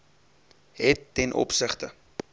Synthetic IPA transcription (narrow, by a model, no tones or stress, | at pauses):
ɦɛtːɛnʔɔ̰psəχtə